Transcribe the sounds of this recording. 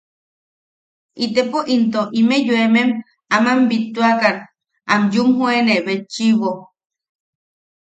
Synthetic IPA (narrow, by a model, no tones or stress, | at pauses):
ʔit̪epoʔint̪oʔimejuemem | amambit̪ːuakan | amjumɦueneʔβet͡ʃiβo